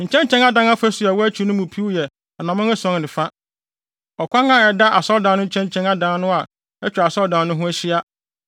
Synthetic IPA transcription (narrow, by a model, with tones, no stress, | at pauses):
ɲ̩˨t͡ɕʰɛ̃˦ɲ˦t͡ɕʰɛ̃˦ŋa˦dã˦na˦fa˦sʊ˨a˨wɔ˦æ˦t͡ɕʰi˨˦nʊ̃˦mũ˨pʰi˦wjɛ˨ | a˨nã˨mʊ̃˦æ˦sɔ̃˦ŋ˨nɪ̃˨fa˦ | ɔ˨kʷʰa˦nã˦˨ɛ˨da˦ʔa˨sɔ˦ldã˨nʊ̃˦ɲ̩˦t͡ɕʰɛ̃˦ɲ˦t͡ɕʰɛ̃˦na˦dã˨˦n˦nʊ̃˦a˨ | ɛ˦t͡ɕᶣa˨sɔ˦ldã˨nːʊ̃˦ɦʊ̃˦æ˦ɕi˦a˦